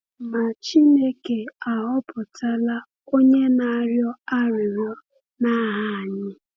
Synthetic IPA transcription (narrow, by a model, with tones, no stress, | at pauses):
ma˨t͡ʃi˦ne˦ke˨a˨ɦɔ˦pʊ˨ta˦la˦ | o˦ɲe˦na˦ɾjɔ˦a˦ɾɪ˨ɾjɔ˦ | na˦ɦa˦a˨ɲɪ˦